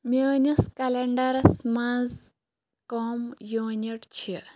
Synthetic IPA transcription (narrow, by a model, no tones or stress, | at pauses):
mʲenɐskaleɳɖɐɾɐsmaz | koːmjoniʈt͡ɕʰi